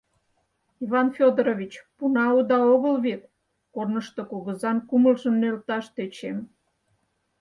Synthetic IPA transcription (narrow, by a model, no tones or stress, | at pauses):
iβɑnfʲod̪ɾoβʲit͡ɕpunɑud̪ɑoɣəlβet̪̚ | kornəʃt̪okoɣəzɑnkuməlʒəmnelt̪ɑʃt̪et͡ɕem